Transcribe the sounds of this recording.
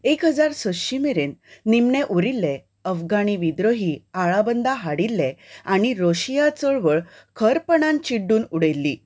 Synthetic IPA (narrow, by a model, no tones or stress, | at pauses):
ekɦəd͡zaɾsəɕimeɾenːimɳeʔuɾilːe | əfɡaɽiʋid̪ɾoɦiaɭabənd̪aɦaɽilːeaɽ̃iɾoɕijat͡səɭʋəɭ | kʰəɾpəɳ̃ãnt͡ɕiɖːuːnuɽelːi